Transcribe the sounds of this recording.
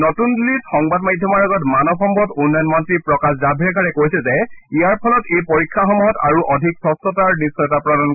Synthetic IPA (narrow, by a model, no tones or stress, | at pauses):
nɔtundulitxɔŋbadmajdʱjɔmɔɹɔɡɔtmanɔbxɔmbʱɔtunːɔjɔnmɔntɹipɹɔkaszabʱiɹɛɡaɹɛkojsɛzɛijaɹpʰɔlɔtejpoɹikʰːaxɔmuɦɔta̰ɹuʔɔdʱiksɔstɔtaɹnisɔjɔtapɹɔdan